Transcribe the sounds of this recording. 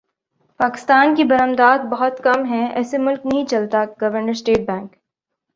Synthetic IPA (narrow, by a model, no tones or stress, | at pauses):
paːkɪ̥st̪aːnkibɐɾəmd̪aːt̪̚bɐɦʊt̪kɐmɦɛ̃ɛ̰ːsemʊlknɐɦĩt͡ʃɐlt̪aɡɐʋəɾnəɾsʈeːʈ̚bɛ̃ːŋk